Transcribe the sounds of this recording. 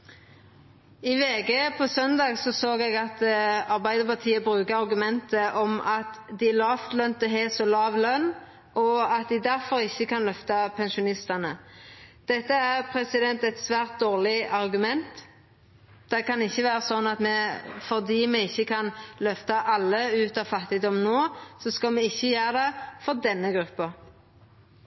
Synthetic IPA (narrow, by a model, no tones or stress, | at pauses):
ɪʋeːɡeːpʰɔsœnd̪ɑːɡsɔsoːɡɛːɡɑt̪ɑʁbæɪd̪əpɑʁt̪ʰiːəbʁʉːkəɑʁɡʉmɛnt̪əʔɔmɑt̪ | d̪ɪlɑːft̪lœnt̪əɦeːsɔlɑːʋlœnː | ʔɔɑt̪̚d̪ɪd̪æʁfɔɾɪçːəkʰɑnlœft̪ɑpʰɛnʃʊnɪst̪ɑnə | d̪̥ɛt̪ːəæʁpʰɾɛsɪd̪ɛnt̪ɛt̪sʋæːʁt̪̚d̪oːʁlɪɑʁɡʉmɛnt̪ | d̪̥ɛkɑnɪçːəʋæːɾəsɔnːɑt̪mɛfɔʁd̪iːmɛɪçːəkʰɑnlœft̪ɑʔɑlːəʉːt̪ɑʋfɑt̪ːɪd̪ɔmnoːsɔskɑlmɛɪçːəjæːʁəd̪ɛfɔʁd̪ɛnːəɡɾʉpːə